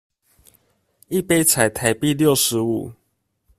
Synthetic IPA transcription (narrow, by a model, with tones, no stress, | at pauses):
i˥˨pe˦ɪt͡sʰa˨˩ɪt̪ʰa˨˦ɪpi˥˨ljo˥˨ʊʂɻ̩˨˧˦u˨˩˦